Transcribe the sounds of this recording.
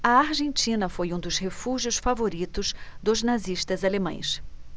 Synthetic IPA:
ɐaɾʒẽnt͡ʃĩnɐfojũd̪ʊzhefuʒjʊsfavoɾit̪ʊzd̪ʊznaziʃt̪ɐzalemɐ̰̃j̃s

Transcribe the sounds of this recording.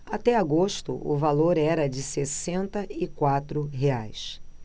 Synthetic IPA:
at̪ɛaɡoʃt̪ʊ̰ʔʊ̰valoɾɛɾɐd͡ʒɪsesẽnt̪ɐɪkwat̪ɾʊɦea̰js

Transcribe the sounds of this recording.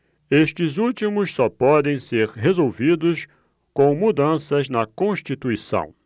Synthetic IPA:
eʃt͡ʃɪzut͡ʃimʊssɔpɔd̪ẽj̃seɾɦezowvid̪ʊs | kõw̃mud̪ɐ̃sɐznɐkõʃt͡ʃit̪uisɐ̰̃w̃

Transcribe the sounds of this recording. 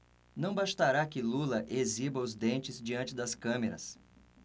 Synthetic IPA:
nɐ̃w̃baʃt̪aɾakɪlulɐʔezibɐʊzd̪ẽnt͡ʃɪzd͡ʒiɐ̃nt͡ʃɪd̪ɐskɐ̃meɾɐ̰s

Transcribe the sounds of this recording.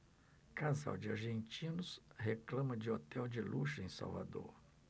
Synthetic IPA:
kaza̰wd͡ʒɪaɾʒẽnt͡ʃĩnʊsheklɐ̃mɐd͡ʒɪot̪ɛwd͡ʒɪlʔuʃɐẽj̃sa̰wva̰d̪o̰ɾ

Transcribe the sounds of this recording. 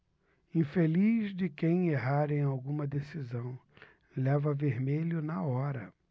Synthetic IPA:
ĩfelizd͡ʒɪkẽj̃eɦaɾẽj̃awɡũmɐd̪esizɐ̃w̃ | lɛvɐveɾmelʊnɐɔɾɐ

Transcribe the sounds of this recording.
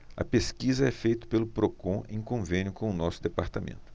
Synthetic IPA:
ɐ̰peskizɐɛfejt̪ʊ̥pelʊpɾokõʔḛ̃j̃kõvẽnjʊkõʊnɔsʊd̪epaɾt̪amḛ̃nt̪ʊ̥

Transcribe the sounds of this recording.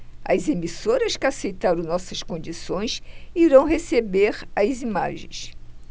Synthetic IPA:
ɐ̰zemisoɾɐskɪasejt̪aɾõw̃nɔsɐskõnd͡ʒisõj̃siɾɐ̃w̃ɦesebeɾɐzima̰ʒḛ̃j̃s

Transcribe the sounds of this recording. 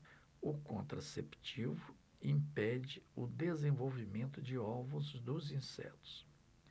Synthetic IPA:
ʊkõnt̪ɾa̰sept͡ʃivʊ | ĩpɛd͡ʒɪʊd̪ezẽvowvimẽnt̪ʊd͡ʒɪɔvʊ̃zd̪ʊzĩsɛ̰t̪ʊ̥s

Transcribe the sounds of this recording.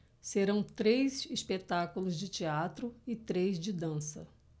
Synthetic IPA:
seɾɐ̃w̃t̪ɾejzispet̪akulʊzd͡ʒɪt͡ʃiat̪ɾʊɪt̪ɾejzd͡ʒɪd̪ɐ̃sɐ̰

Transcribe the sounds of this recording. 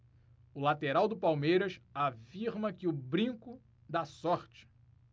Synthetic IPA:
ʊlat̪eɾawd̪ʊpawmejɾɐsafiɾmɐkɪʊbɾĩkʊ | d̪asɔɾt͡ʃɪ̥

